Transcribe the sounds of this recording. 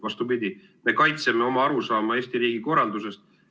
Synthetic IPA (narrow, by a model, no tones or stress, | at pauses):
ɑst̪upid̪i | me̞kɑjt̪seme̞o̞mɑɑɾusɑːmɑe̞ːst̪iɾiːɡiko̞rːɑld̪use̞st̪̚